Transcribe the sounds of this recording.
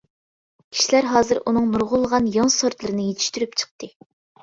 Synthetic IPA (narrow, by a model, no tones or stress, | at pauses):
kʲʰi̥ʃilæɾɦɑːzɨɾunɨŋnuɾʁʊlˠəʁɑnjɑŋsoɾt̪lˠɨɾɨnɨɪjet̪ʰi̥ʃt̪yɾypt͡ʃʰə̥q̚t̪ɨ